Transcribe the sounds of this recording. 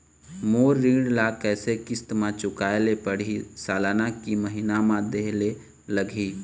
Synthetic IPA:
moːɾːĩːɽlakɛːsekɪst̪mãt͡ʃʊkaːelepəɽ̤isaːlaːnakiməɦinamãd̪eɦle | ləɡʱi

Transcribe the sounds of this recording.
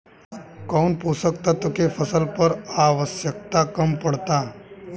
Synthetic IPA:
kawnpusək̚t̪at̪əkefʰəsəlpəɾaʋəsjək̚t̪akəmpəɽt̪a

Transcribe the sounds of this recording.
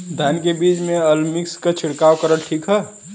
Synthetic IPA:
d̪ʱaːnkebiːt͡ʃmẽəlmɪkskat͡ʃʰɪɽkaːwkəɾəʈʈʰiːkɦɛː

